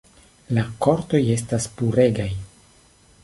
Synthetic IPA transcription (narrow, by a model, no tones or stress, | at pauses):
lako̞ɾto̞je̞staspuɾe̞ɡaj